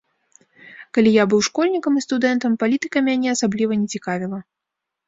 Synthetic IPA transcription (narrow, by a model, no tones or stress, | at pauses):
kalʲijabɨwʂkɔlʲnʲikɐmist̪ud̪ɛnt̪ɐmpalʲit̪ɨkɐmʲanʲɛɐsablʲivɐnʲɛt͡sʲikavʲilˠɐ